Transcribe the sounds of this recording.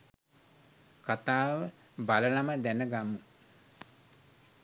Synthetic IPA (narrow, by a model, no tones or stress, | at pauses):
kat̪aːʋə | balənaməd̪ænəɡamːu